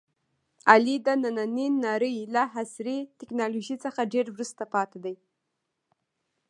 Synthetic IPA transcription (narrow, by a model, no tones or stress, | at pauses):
alid̪ənananinːɑɾəjlaɦasɾit̪ɪknɑloʒit͡səxaɖeɾwɾust̪apɑt̪ad̪aj